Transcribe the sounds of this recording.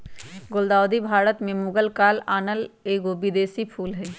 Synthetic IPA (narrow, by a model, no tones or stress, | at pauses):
ɡold̪aːwd̪ibʱaːɾət̪mẽmʊɡəlkaːlaːnəleːɡobɪd̪eːsipʰuːlɦɛː